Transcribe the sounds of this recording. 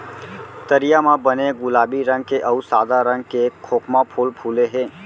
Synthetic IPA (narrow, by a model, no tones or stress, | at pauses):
t̪əɾijamãbəneɡʊlaːbiɾə̃ŋɡkeʔəusad̪aɾəŋɡkekʰoːkmapʰulpʰuleɦeː